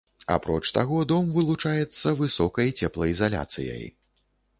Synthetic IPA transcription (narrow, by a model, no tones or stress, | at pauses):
a̰pɾɔt͡ʂt̪aɣɔd̪ɔmvɨlˠut͡ʂajɛt̪sːɐvɨsɔkɐjt͡sʲɛplˠɐizalʲa̰t̪sɨ̰jɐ̰j